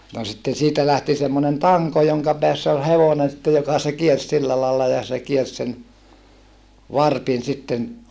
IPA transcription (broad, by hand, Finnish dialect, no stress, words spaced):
no sitːen̞ siːtæ læhti semːonen tɑŋko joŋkɑ peæsː ol heʋonen sĭtːe jokɑ se kiers silːɑ lɑːlːɑ jɑ se kiers sen ʋɑrpin sitːen